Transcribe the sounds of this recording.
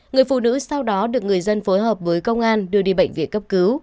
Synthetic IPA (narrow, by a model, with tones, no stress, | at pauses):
ŋɨ˨˩əjfṵ˧˨nɨ̰˧˥sa˧wɗɔ˨˦ɗɨ˨˩ək̚ŋɨ˨˩əjzə˧nfo˨˦jɦəː˨˩p̚vəː˨˦jkə˧wŋ͡mʔaː˧nɗɨ˨˩əɗḭ˧˨˩ɓə̰˧˨jŋ̟vḭ˧˩t̚kə˦˥p̚kɨ˨˦w